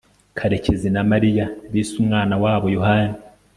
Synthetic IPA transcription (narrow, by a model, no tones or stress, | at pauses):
kʰaɾe̞ce̞zinamaɾijaβiːsumŋaːnawaːβo̞jo̞haːni